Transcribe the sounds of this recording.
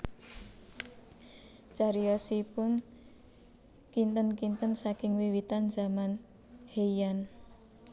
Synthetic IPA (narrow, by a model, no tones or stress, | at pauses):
t͡ʃaɾiɔsipʊn | kint̪ənkint̪ənsakɪŋwiwit̪anza̤man | heijan